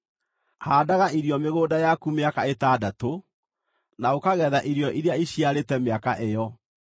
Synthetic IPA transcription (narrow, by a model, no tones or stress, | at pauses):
haːdaɣaʔiɾjɔmeɣoːdajakumeakaetaːdato | naokaɣɛðaʔiɾjɔʔiɾeaiɕiaɾetɛmeakaʔejɔ